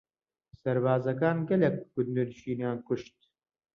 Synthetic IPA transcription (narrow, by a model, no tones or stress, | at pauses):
sɐɾbaːzɐk̬aːnɡɐlek̚ɡʊd̪nuɾʃiːnijaːnkʊʃt̪̚